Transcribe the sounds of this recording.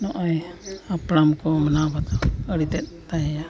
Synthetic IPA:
nɔʔɔjapɽamkɔmənabad̪ɔəɽit̪ɛt̪̚t̪ajɛja

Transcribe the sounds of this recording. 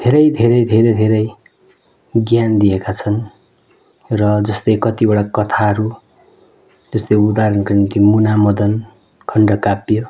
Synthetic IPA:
d̪ʱeɾʌjd̪ʱeɾʌjd̪ʱeɾʌjd̪ʱeɾʌj | ɡjand̪ijekat͡sʰʌn | rʌd͡zʌst̪ʌjkʌt̪ibʌɽakʌt̪ʰaɦʌɾu | d͡zʌst̪ʌjud̪aɾʌnkinnt̪imunamʌd̪ʌn | kʰʌɳɖʌkapjo

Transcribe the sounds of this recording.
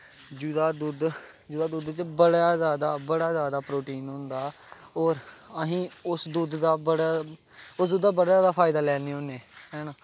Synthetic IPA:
d͡ʒud̪aːd̪uːd̪ | d͡ʒʊd̪aːd̪uːd̪t͡ʃbəɽaːzjaːd̪aːbəɽaːzjaːd̪aːpɾoːʈiːnɦõnd̪aː | ɔːɾəɦĩːʊsd̪uːd̪d̪aːbəɽ | ʊsd̪uːd̪d̪aːbəɽaːzjaːd̪aːpʰaːɪd̪aːlɛːniːɦõːneːɦɛːnaː

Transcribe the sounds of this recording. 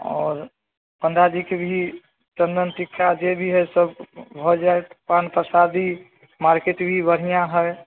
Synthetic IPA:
ɔ̰ːɾ | pənd̪ad͡ʒikebʱi | t͡ʃə̃nd̪ənt̪ikʰːad͡ʒebʱiɦəsəbbʱɔd͡ʒaet̪panpɾəsad̪i | maɾkeʈbʱibəɽ̤ijãɦəj

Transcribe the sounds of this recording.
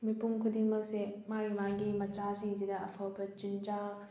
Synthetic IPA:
mipuŋkʰudimɐk̚semaɾimaŋɡimɐt͡ʃasiŋd͡ʒidɐɐpʰawbɐt͡ʃind͡ʒa

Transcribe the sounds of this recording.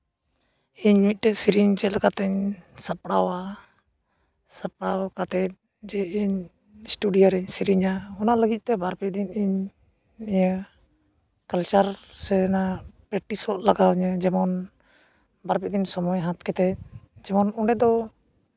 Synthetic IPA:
iɲmit̪̚t̪ɛsiɾiɲt͡ʃɛlakat̪ɛɲsapɽawa | sap̚ɽakat̪ɛt̪̚ | d͡ʒɛiɲ | sʈuɖijaɾɛɲsiɾiɲaɔnaʔləɡic̪̚t̪ɛbaɾpɛd̪iniɲ | mɛɲə | kalt͡ʃaɾsɛnapɾɛʈisɔt̪laɡaɲəd͡ʒɛmɔn | baɾpɛd̪insɔmɔjɦãt̪kɛt̪ɛd͡ʒɛmɔnɔɖɛd̪ɔ

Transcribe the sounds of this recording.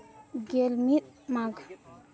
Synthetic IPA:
ɡelmit̪̚maɡ

